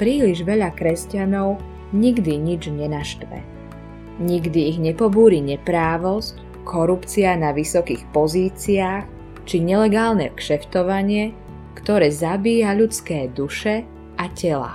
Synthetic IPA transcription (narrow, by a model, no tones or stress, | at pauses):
pɾiːliʒʋɛʎakɾɛscanɔʊ | ɲiɡd̪iɲid͡ʒɲɛnaʃt̪ʋɛ̰ | ɲiɡd̪iːɣɲɛpɔbuːɾiɲɛpɾaːʋɔsc | kʰɔɾupt͡sianaʋisɔkixpɔziːt͡siaːx | t͡ʃiɲɛlɛɡaːlnɛ̰kʃɛft̪ɔʋaɲɪɛ | kt̪ɔɾɛːzabiːjaʎut͡skɛːd̪uʃɛ | acɛla̰